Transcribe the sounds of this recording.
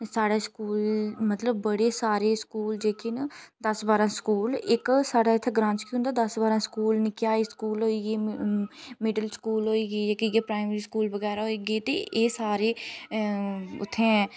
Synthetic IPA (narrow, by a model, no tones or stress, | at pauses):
saːɽaːskuːlmət̪ləbːəɽeːsaːɾeːskuːld͡ʒeːkɪnd̪əsbaːɾãːskuːlɪksaːɽaːɪt̪ʰːeɡɾãːnt͡ʃkĩɦʊ̃nd̪aːd̪əsbaːɾãːskuːlnɪkɪjaːiːskuːlɦoːiːɡeː | mɪɖəlskuːlɦoːiːɡeːd͡ʒaːkiɡeːpɾaːɪmeɾiːskuːlbəɡɛːɾaɦoːiːɡeːt̪ḛːʔeːsaːɾeː | ʊ̰t̪ʰːẽː